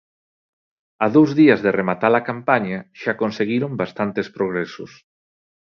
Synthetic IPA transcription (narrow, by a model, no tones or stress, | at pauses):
aðowzðiɐzðeremat̪alakampaɲaʃakonseɣiɾombast̪ant̪espɾoɣ̞ɾesʊs